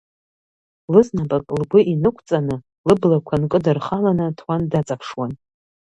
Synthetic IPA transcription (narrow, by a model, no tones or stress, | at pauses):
lɨznabʼakʼlɡʷʊʔinɨkʷʰʼt͡sʼanɨ | lɨblakʷʰankʼɨdarχalanatʰwandat͡sʼapʰʂwan